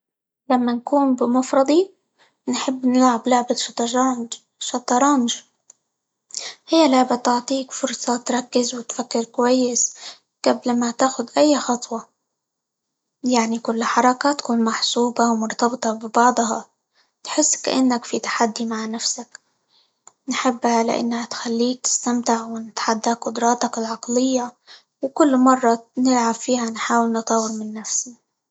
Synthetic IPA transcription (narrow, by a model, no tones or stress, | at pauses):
lamːankuːnbɪmʊfɾˤɑd̪ˤi | nħɪbːnɪlʕablʊʕbɪʃt̪ˤʒ | ʃɑt̪ˤːɑɾˤɑːmɪʒ | hɪjːalʊʕbat̪ʊʕt̪ˤiːkfʊɾsˤɑt̪ɾˤɑkːɪzwɪt̪fakːɪɾkwajːɪs | ɡ̥ablmat̪aːxʊd̪ʔajːxɑt̪ˤwɑ | jaʕnikʊlːħɑɾˤɑkat̪ḁkuːnmaħsuːbawmʊɾt̪ɑbt̪ˤɑbɪbɑʕd̪ˤɦɑ | t̪ħɪsːkaʔanːakfit̪ḁħad̪ːimaʕnafsak | nħɪbːhalɪ̰ʔa̰nːahat̪xalːiːk̚t̪ɪ̥st̪amt̪ɪʕwɪnɪt̪ħad̪ːakqʊd̪ɾˤɑːt̪ɑkɪlʕɑqlɪjːa | wkʊlːmɑrˤːɑnɪlʕabfiːhanħaːwɪlnɨt̪ˤɑwɪɾmɪnːafsi